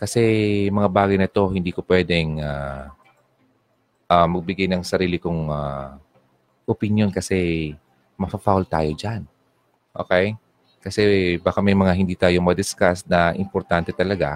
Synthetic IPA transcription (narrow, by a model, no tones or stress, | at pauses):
kɐsɛmɐŋabaːɡɐjnɐt̪o̞hɪnd̪iːkopwɛːd̪ɛŋa | ʔamɐɡ̚bɪɡajnɐŋsɐɾiːlɪkoŋa | ʔʊpɪnjo̞nkɐsɛ | mɐfɐfawlt̪a̰ːjo̞d͡ʒan | ʔo̰ːkɛj | kɐsɛbaːkamɛjmɐŋaɦhɪnd̪iːt̪aːjo̞mɐd̪ɪskasnɐʔɪmpoɾt̪ant̪ɛt̪ɐlɐɡa̰